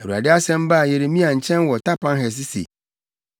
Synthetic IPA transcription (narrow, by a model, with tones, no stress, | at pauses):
ɛ˨u˨a̰˨dɪ˦a˦sɛ̃˦m˦ba˦˨je˨ɾe˨mĩ˦a˨ɲ̩˨t͡ɕʰɛ̃˦nwɔ˨ta˦pã˦nɦɛ˨s̬ɪ˦sḛ˨